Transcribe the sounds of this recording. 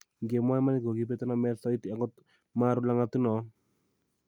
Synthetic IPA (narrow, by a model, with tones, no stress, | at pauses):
ŋɡe˨mwa˦ma˦ni˦ɡo˨ɡi˦p̬e˦t̪ɔ˦nɔ˨mɛ˦ɾsɔ˦i˦t̪i˨a˨ŋɡɔ˦t | ma˦ɾu˦la˦ŋa˦t̪u˦nɔ˨